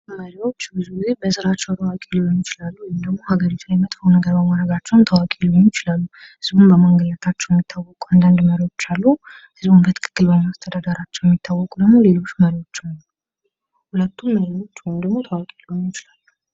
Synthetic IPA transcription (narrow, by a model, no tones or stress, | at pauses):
məɾiwo̞t͡ʃːbɨzuɡize̞bəsɨɾat͡ʃːəwt̪ʰəwakʼeloɲːɪt͡ʃɪlalːuwɔjimd̪əɡmo̞haɡəɾit̪ʰujɛmət̪ʼfəwnəɡəɾbəmaɾəɡat͡ʃːɛwnt̪ʰəwakʼiloɲjɪt͡ʃɪlalːu | hɨzbumbəməŋɡələt̪ʰat͡ʃːɛwjɛmːit̪ʰːawːɔkʼuand̪and̪məɾiwo̞t͡ʃːalːu | hɨzbumbət̪ʰɨ̥kʰɨ̥kːɨlbəmast̪ʰəd̪ad̪əɾat͡ʃːɛwjɛmːit̪ʰːawːɔkʼud̪əɡmo̞le̞lo̞t͡ʃːməɾiwo̞t͡ʃːwn | hulət̪ʰːumːəɾiwo̞t͡ʃːwɔjmd̪əɡmo̞t̪ʰəwakʼiloɲjɪt͡ʃɪlalːu